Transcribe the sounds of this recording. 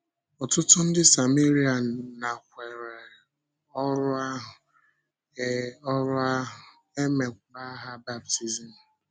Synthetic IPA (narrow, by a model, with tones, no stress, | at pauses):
ɔ˨tʊ˦tʊ˦n̩˦dɪ˦sa˨mi˦ɾi˦a˨na˨kʷe˨ɾe˨ | ɔ˦ɾʊ˦a˦ɦʊ˨˦ | ɔ˦ɾʊ˦a˦ɦ | e˦me˨kʷba˦ɦa˦ba˦bti˨zi˨n̩˨